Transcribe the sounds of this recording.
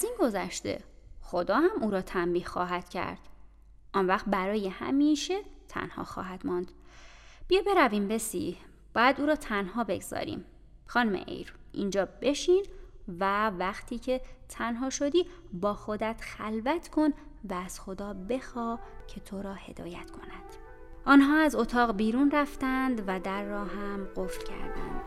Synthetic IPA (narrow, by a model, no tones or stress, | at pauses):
æziːnɡo̞zæʃt̪e̞̰xo̞d̪ɒːhæmuːɾɒːt̪ʰæmbiːhxɒːɦæd̪̥cʰæ̰ɾd̪̥ | ʔɒnvæxt̪̚bæɾɒːjehæ̰miːʃet̪ʰæ̰nhɒ̰ːxɒ̰ːɦæd̪̥mɒːnd̪̥b̥ijebe̞ɾæviːmbe̞sḭ | b̥ɒːjæd̪uːɾɒːt̪ʰænhɒːbe̞̰ɡz̥ɒ̰ːɾḭːm | xɒːnumḛʔḛjɾʔind͡ʒɒːb̥e̞ʃiːnvævæxt̪ʰiːcʰe̞t̪ʰænɦɒːʃo̞d̪iː | bɒːxod̪æt̪xælvæt̪ʰkʰo̞n | væːz̥xo̞d̪ɒːbe̞xɒːcʰe̞t̪ʰoɾɒːhe̞d̪ɒ̰ːjæt̪kʰo̞næd̪̥ | ʔɒːnɦɒːæzo̞t̪ʰɒːɣbiːɾuːnræft̪ænd̪væd̪æɾːɒːɦæmɢo̞flcʰæ̰ɾd̪ḭn